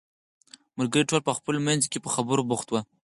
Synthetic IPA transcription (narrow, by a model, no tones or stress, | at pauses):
məɾɡəɾiʈolpəxpəlomanzkepəxabəɾobʊxt̪wa